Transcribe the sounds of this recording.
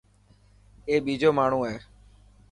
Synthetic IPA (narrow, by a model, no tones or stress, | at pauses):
eːɓiːd͡ʒoːmaːɳ̤ũːɦɛː